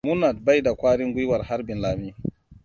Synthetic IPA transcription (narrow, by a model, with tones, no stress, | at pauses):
mu˦na˨d̚ba˦jda˨kʷaː˦ɽɪ˦ŋɡʷʊ˦jwɐ˨rha˦ɾbɪ˨nlaː˨miː˦